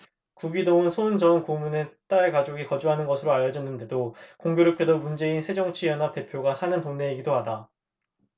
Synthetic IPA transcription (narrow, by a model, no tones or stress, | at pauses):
kuɡidoɯnsʰond͡ʑʌnkomune̞t͈aekad͡ʑoɡikʌd͡ʑuɦanɯnɡʌsʰɯɾoaʎjːʌd͡ʑʌnːɯnde̞dokoŋɡjoɾokʰedʌmund͡ʑe̞insʰe̞d͡ʑʌŋt͡ɕʰijʌnɦap̚t͈e̞pʰjoɡasʰanɯntoŋne̞iɡidoɦada